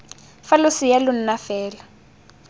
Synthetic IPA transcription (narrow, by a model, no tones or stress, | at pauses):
falʊsijalʊn̩nafɛːla